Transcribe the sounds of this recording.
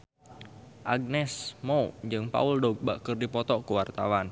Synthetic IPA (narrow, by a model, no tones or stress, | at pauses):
ʔaɡ̚nɛsmoud͡ʒɨŋpa̰uldɔɡ̚ba̰ʔkərdipɔt̪ɔkuwart̪a̰wan